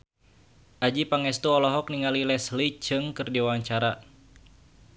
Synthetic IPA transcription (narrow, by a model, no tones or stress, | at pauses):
ʔad͡ʒipaŋɛst̪uɔlɔɦɔkniŋalilɛslit͡ʃɨŋkɨrdiwaɲt͡ʃaɾa